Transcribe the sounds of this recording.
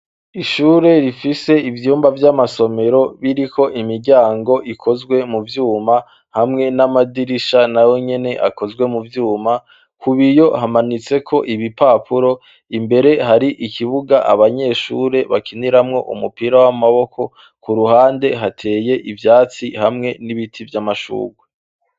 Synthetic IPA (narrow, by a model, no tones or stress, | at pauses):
iʃuːɾe̞ɾifise̞ivjuːmbavjamaso̞me̞ɾo̞βiɾikʰo̞ʔimiɾɟaːŋɡo̞ʔikʰo̞zɡwe̞muvjuːma | hamŋe̞namadiɾiʃanawo̞ɲe̞ne̞ʔa̰ko̞zɡwe̞muvjuːma | kʰuβijo̞hamanit͡se̞kʰo̞ʔiβipaːpʰuɾo̞ | imbe̞ɾe̞ɦaɾiʔikʰiβuɡaʔa̰βaɲe̞ʃuːɾe̞βakʰiniɾamŋo̞̰ʔṵmupiːɾawamaβo̞kʰo̞ | kuɾuhaːnde̞ɦatʰe̞ːje̞ʔivjaːt͡sihamŋe̞niβitʰivjamaʃṵːɡwe